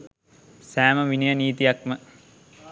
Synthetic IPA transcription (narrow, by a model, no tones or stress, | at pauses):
sæːməʋinijəniːt̪ijakmə